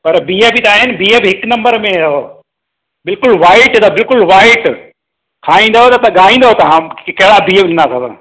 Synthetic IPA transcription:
pɐɾbiːebit̪aːɦɪnɪbiːebɦɪknɐ̃mbəɾmẽd̪ɦo | bɪlkʊlʋaːɪʈɦd̪abɪlkʊlʋaːɪʈ | kʰaːĩːn̆d̪aɦot̪ɐt̪ɐɠaːɦĩːn̆d̪aɦot̪ɐɦãkɐɦɪɽabiːebɗɪ̃nd̪aːt̪ʰat̪a̰

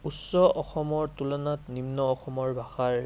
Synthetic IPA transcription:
usːɔʔɔxɔmɔɹtulɔnatnimnɔːxɔmɔɹbʱaxaɹ

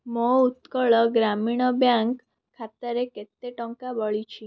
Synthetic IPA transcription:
mɔut̪kɔɭɔɡɾamiɽ̃ɔbjaŋkʰː | at̪əɾeket̪eʈɔŋkabəɭit͡ʃʰi

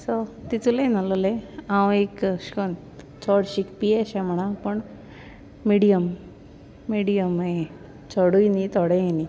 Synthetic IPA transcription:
sɔt̪it͡sulenalɔleãwekɕkon | t͡sɔɽɕikpieɕẽm̤əɽ̃ãpəɳ | miɽijəmː | iɽijəme | t͡sɔɽujnit̪ɔɽeeni

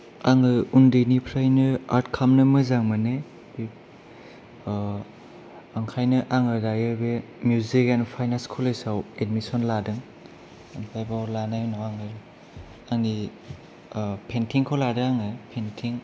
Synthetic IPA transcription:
aŋɯundɯnipʰɾajnɯaɾtkʰamnɯmɯzaŋmɯne | bi | aŋkʰajnɯʔaŋɯdajɯbe | mjuzikenpʰajnanskʰɔlejsawedmisɔnladɯŋ | aŋpʰɾajbawlanajnawaŋɯ | aŋi | pʰentʰiŋkʰoladɯaŋɯpʰentʰiŋ

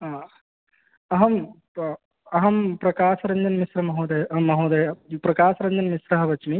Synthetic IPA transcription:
ɐɦɐm | ɐɦɐmpɾɐkaːsɐɾɐɲd͡ʒɐnmisɾɐmɐɦoːd̪ɐjɐmɐɦoːd̪ɐjɐpɾɐkaːsɐɾɐɲd͡ʒɐnmisɾɐɦɐʋɐt͡ʃmi

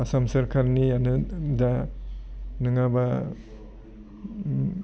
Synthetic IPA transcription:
asamsɐɾkʰaɾnianɯda | nɯŋaba

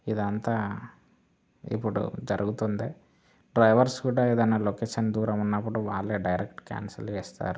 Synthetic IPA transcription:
id̪ɐnt̪aː | ḭpːuɽṵd͡ʒɐɾuɡut̪und̪eː | ɖɾɐjʋɐɾskuːɽaːeːd̪ɐnɐlokeːʂɐnd̪uːɾɐmunːɐp̬ːuɽuʋaːɭːeːɖɐjɾekʈka̰ːnsɐ̰lt͡ʃɛːst̪a̰ːɾu

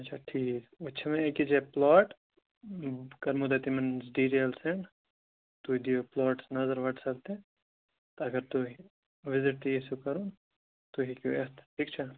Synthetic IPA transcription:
ɐtːt͡ʃʰaʈʰiːkʊtːt͡ʃʰmẽkid͡ʒeplɔːʈ | kɐɾmud̪ɐt̪imɐnsɖiːʈeːlseɳ | t̪ud̪ioplɔːʈsnɐzəɾʋɐʈʰsɐlt̪ẽ | t̪oɐɡəɾt̪ui | ʋɪzɪʈt̪iisukɐɾuːn | t̪uɦikjuest̪ʈʰiːk̚t͡ʃʰa

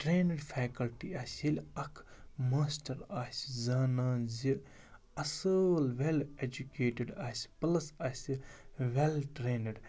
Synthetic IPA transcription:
ʈɾeːnəɖfʰeːkɐlʈiɐsilɐkʰmaːsʈɐɾaːszɐːnaːnzi | ɐsəlʋeled͡ʒukeːʈɪɖaːsi̥pɐlɐsɐːsiʋelʈɾeːnəɖ

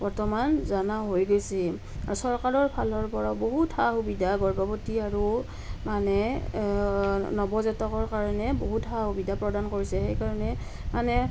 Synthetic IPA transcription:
bɔɹtɔmanzanaɦojɡojsi | a̰ɹusɔɹkaɹɔɹpʰalɔɹpɔɹaboɦuthaxubidʱaɡɔɹbɔpotiaɹu | manɛ | nɔbɔzɛtɔkɔɹkaɹɔnɛboɦutɦahubidʱapɹɔdankoɹisɛxejkaɹɔnɛ | manɛ

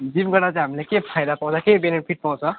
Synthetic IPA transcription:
d͡ʒimɡʌɽat͡saɦəmlekepʰajd̪apɔw̃t͡sʰakebenepʰiʈ̚pɔ̃t͡sʰʌ

